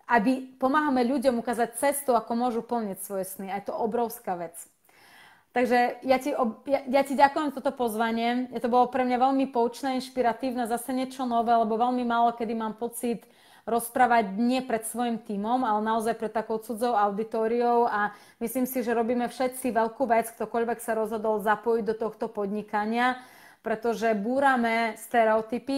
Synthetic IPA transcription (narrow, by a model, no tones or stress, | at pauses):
abipɔmaɦamɛʎuɟɔmukaːzac̚t͡sɛst̪uakɔmʊɔʒupl̩ɲicsʋɔjɛsniajɛt̪ɔɔbɾɔʊskaʋɛt͡s | t̪aɡʒɛjaciɔjajaciɟakujɛmt̪ɔt̪ɔpɔzʋaɲɪɛjɛt̪ɔbɔlɔpɾɛmɲaʋɛʎmipɔut͡ʃnɛinʃpiɾat̪iːʊnɛzasɛɲɪɛt͡ʃɔnɔʋɛːlɛbɔʋɛʎmimaːlɔkɛd̪imaːmpɔt͡sit̪ | ɾɔspɾaːʋaɟɲɪɛpɾɛt̪sʋɔjimt̪iːmɔmalɛnaɔzajpɾɛt̪ːakɔʊt͡sud͡zɔʊaʊd̪it̪ɔːɾiɔʊa | misliːmsiʒɛɾɔbiːmɛfʃɛt̪t͡siʋɛʎkuːʋɛt͡sk̚t̪ɔkɔʎʋɛksaɾɔzɦɔd̪ɔlzapɔjiɟd̪ɔt̪ɔxt̪ɔpɔd̪ɲikaɲɪa | pɾɛt̪ɔʒɛbuːɾamɛst̪ɛɾɛɔt̪ipi